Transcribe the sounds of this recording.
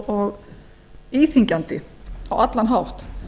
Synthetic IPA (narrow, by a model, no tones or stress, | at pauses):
ɔɣ | iːθiŋkant̪ɪ̰a̰wat̪lanɦawrt̪